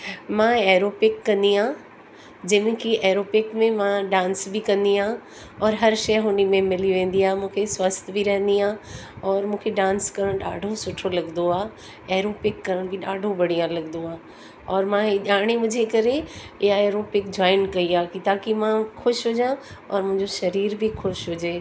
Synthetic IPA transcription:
mãeːɾoːpɪkːɐ̃nd̪iãː | d͡ʑɐ̃mɪ̃kʰiʔeːɾoːpɪkmẽmãɗãːnsbɪkɐ̃nd̪iãː | ɔːɾɦɐɾʃɐjɦʊnimẽmɪliʋẽːn̆d̪iaːɦmũːkʰeswɐst̪ʰbʱiɾɐɦə̃nd̪iãːɔːɾmũːkʰeɖãːnskɐɾəɽ̃ɗa̰ːɖʱosʊʈʰolɐɡnd̪oaː | eːɾoːpɪkːɐɾəɽ̃bɪɗaːɖʱobɐɽ̤iãlɐɡnd̪oaː | ɔːɾmãɦɪʄaːɽ̃emʊ̃d͡ʑʱekɐɾe | ɪɦaeːɾopɪkd͡ʑɔːɪnkɐiaːkit̪aːkimãxʊʃɦʊd͡ʑãɔ̰ːɾmʊ̃ɦɪ̃ɲd͡ʑoʃɐɾiːɾbʱɪxʊʃɦʊd͡ʑeː

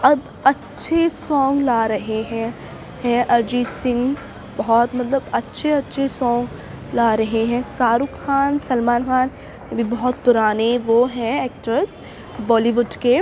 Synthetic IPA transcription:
ɐb | ɐtːʃʰesɔ̃ːŋɡlaːɾɐɦeɦɛ̃ | hɛ̃ʔɐɾd͡ʒisɪ̃ŋɡ | bɐɦɔt̪mɐt̪ləbɐtːʃʰeɐtːʃʰesɔ̃ːŋɡ | laːɾɐɦeɦɛ̃saːɾʊkxaːnsɐlmaːnxaːn | ɐbʱibɐɦɔt̪̚pʊɾaːneʋoɦɛ̃eːk̚ʈəɾs | bɔːliʋʊɖke

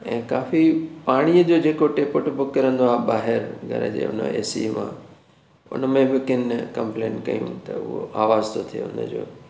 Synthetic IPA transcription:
ɛ̃ːkaːfipaːɽ̃ijəd͡ʑod͡ʑeːkoʈeːpʊʈʰbʊkːɐɾə̃nd̪oaːbaːɦɪɾɡʱɐ̰ɾə̰d͡ʑḛːʊ̰nə̰ḛːsḭmã̰ | ʊ̰nəmẽʋɪɪkɪnkɐ̃mplẽːnkɐ̰jṵ̃t̪ɐʊ̰ɦo̰ʔaːʋaːzt̪ʰot̪ʰijo̰ʊ̰nəd͡ʑo̰ː

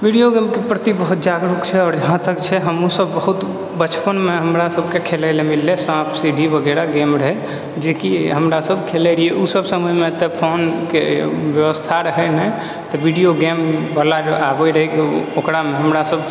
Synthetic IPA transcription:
biɖijoɡemkepɾət̪ibəɦut̪̚d͡ʒaɡɾukt͡ʃʰɛɔːɾd͡ʒəɦãt̪əkt͡ʃʰɛɦəmusəbːəɦut̪ | bət͡ʃpənmeɦəmɾasəbkekʰelɛlemilːesãpʰsiɖibʱəɡɛɾaɡemɾəɦɛ | d͡ʒekiɦəmɾasəbkʰelɛɾieʔusəbsəməjmet̪epʰonkebjəʋəst̪ʰaɾəɦɛnɛ | t̪ɔbiɽijoɡembalaɾabɛɾəɦɛkiokɾameɦəmɾasəb

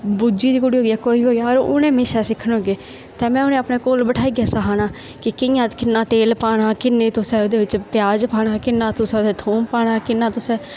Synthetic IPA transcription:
bud͡ʒiːd̪iːkʊɽiːɦoːɡijaːkoːiːbiːɦoːɡjaːɾʊ̰nẽːmɪʃɛːsɪkʰːənɦoːɡeː | t̪ɛ̃ːmɛ̃ːʊnẽːəpnẽːkoːlbəʈʰaːiːɡjaːsaɦaːnãː | kɪkɪjãːt̪kɪnːaːt̪eːlpaːɽ̃aːkɪnːẽːt̪ʊsɛ̃ːod̪eːʋɪt͡ʃpɪjaːd͡ʒpaːɽ̃aːkɪnːãːt̪ʊsɛːod̪eːt̪ʰuːmpaːɽ̃aːkɪnːãːt̪ʊsɛː

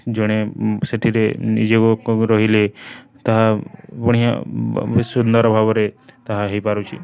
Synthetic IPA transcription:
d͡ʒɔɽ̃eseʈʰiɾenḭd͡ʒeɡoɾɔɦilet̪aɦapɔɽ̃ija̰ | sund̪ɔɾbʱabɔɾet̪aɦaɦejpaɾut͡ʃʰi

